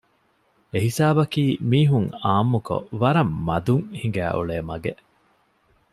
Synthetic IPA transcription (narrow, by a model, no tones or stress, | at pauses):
eɦisaːbɐkiːmiːɦuŋaːmːuko̰ʋɐɾɐmːɐd̪uŋhiŋ̆ɡæ̰ːʔṵɭeːmɐɡeʔ